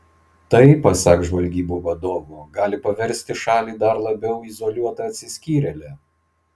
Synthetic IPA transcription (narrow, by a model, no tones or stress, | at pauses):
t̪ɐɪpɐsɑkʒʋɐlʲɡʲiːboːʋɐd̪oːʋʊɡɑːlʲɪpɐʋʲɛɾʲsʲt̪ʲɪʃɑːlʲiːd̪ɐɾlˠɐbʲɛʊizɔlʲuɔt̪ɐɐt̪ʲsʲɪsʲkʲiːɾʲɛlʲɛ